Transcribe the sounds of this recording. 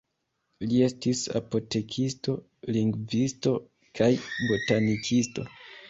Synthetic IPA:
lie̞stisa̰po̞te̞kʰisto̞ | liŋɡvisto̞ | kʰajbo̞tanikʰisto̞̰

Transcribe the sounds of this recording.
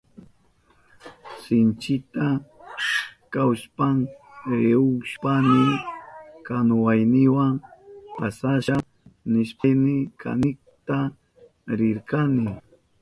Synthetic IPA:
sɪnt͡ʃɪt̪a | kawspaŋɾɾeʊʃpanɪ | kanʊwajnɪwaŋpasaʃa | nɪʃpajnɪkʰa̰nɪk | t̪a | ɾɪɾkanɪ

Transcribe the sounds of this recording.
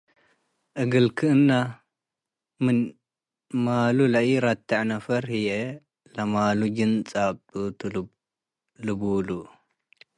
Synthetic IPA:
ʔɨɡɨlkʰɨɨnːa | mɨn | maːlulɐjiɾat̪ʰːaʕnɐfɐɾhije | lɐmalud͡ʒɨnt͡sʼabɨt̪ʰɨ | lɨbulu

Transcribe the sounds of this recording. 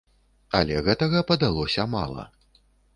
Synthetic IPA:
ɐ̰lʲɛɣɛt̪ɐɣɐpɐd̪alˠɔsʲɐma̰lˠɐ̰

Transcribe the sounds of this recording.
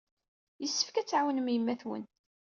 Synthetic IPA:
jəsːə̥fkæt͡sːʕawənmjəmːæθwə̰n

